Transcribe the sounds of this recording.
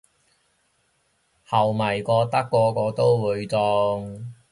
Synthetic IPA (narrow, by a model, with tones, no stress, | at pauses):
hɐ˨˩wmɐ˨˩jkɔː˧t̪ɐ˥kːɔː˧kɔː˧t̪o˥wwuː˨˧jt͡sɔ˧ŋ